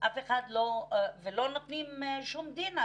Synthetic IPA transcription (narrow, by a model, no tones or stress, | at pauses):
ʔafeχad̪lovelo̞not̪nimʃumd̪ina